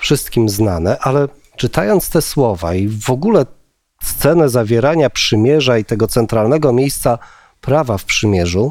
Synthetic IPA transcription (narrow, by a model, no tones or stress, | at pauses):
fʂɘst̪kʲimznanɛʔalɛ | t͡ʂɘt̪ajɔnt̪st̪ɛswɔva̰ivɔɡulɛ | st̪sɛnɛzavʲjɛɾaɲapʂɘmʲjɛʐait̪ɛɡɔt̪sɛnt̪ɾalnɛɡɔmʲjejst̪sa | pɾavafpʂɘmʲjɛʐu